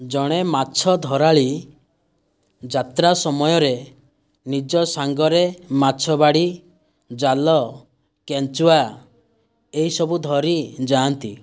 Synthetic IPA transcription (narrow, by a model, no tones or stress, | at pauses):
d͡ʒɔɽ̃ematːt͡ʃʰɔd̪ʱɔɾaɭi | d͡ʒat̪ɾasɔmɔjɔɾe | nid͡ʒɔsaŋɡɔɾematːt͡ʃʰɔbaɽi | d͡ʒalɔ | kent͡ʃuwa | eɦisɔbud̪ʱɔɾid͡ʒaːnt̪i